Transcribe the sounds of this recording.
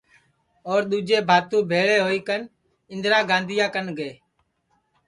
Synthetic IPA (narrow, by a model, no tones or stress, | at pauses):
oːɾɗ̪uːd͡ʒeːbʱaːt̪ũːbʱeːɭeːɦoːiːkən | ɪ̃nd̪ɾaːɡãːnd̪ʱɪjãːkənɡeː